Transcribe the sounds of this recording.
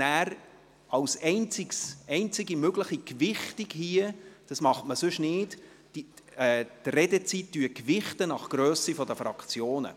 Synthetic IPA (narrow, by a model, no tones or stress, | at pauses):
næːɾ | ɑwsɛɪnt͡siksɛɪnt͡sɪɡimøɡləχikvɪχtiɡhiəd̥ɑsmɑχtməsʉʃnɪːt | i | ɛːt̪ɾɛdət͡sitːyəkʋɪχtənɑχɡ̥ɾœːsifɔdəfɾɑ̰kt͡sjoːnə̰